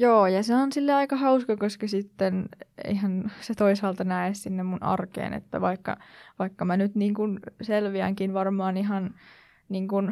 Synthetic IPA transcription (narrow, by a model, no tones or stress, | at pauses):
joːjɑseonsilːeɑikɑhɑuskɑkoskɑsit̪ːenḛihænset̪oisɑːlt̪ɑnæessinːemmunɑ̰rkḛːnḛt̪ːæ̰ʋɑikːɑ̰ʋɑikːɑmænyt̪niːŋkunselʋiæ̰ŋkinʋɑrmɑːniɦɑn | niːŋkun